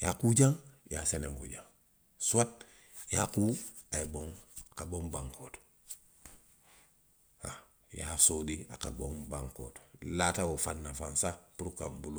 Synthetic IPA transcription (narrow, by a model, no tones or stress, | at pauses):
jakud͡ʒaŋjaseneŋkṵɟaŋ | suwat̚ | jakuaeboŋakabombaŋkoːto̥ | ha | ja̰sodia̰ka̰bombaŋko̰ːto̥latawofanːafansapuɾukambulu